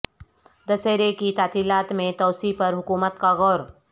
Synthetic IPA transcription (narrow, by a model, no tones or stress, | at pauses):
d̪ɐseːɾekit̪aːt̪ilaːt̪mẽt̪ɐːsipɐɾɦʊkuːmət̪kaɣɔːɾ